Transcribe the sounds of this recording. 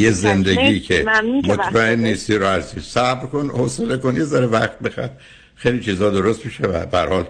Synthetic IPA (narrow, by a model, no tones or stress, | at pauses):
jezend̪eɟiːkʰe̞mot̪ʰmæenːiːst̪iɾoæɾsisæbɾko̞nosele̞ko̞nje̞zæɾevæxt̪̚bixæ̰ɾ | xejlit͡ʃʰiːzhɒːd̪o̞ɾost̪miʃevæ̰bææɾhɒːl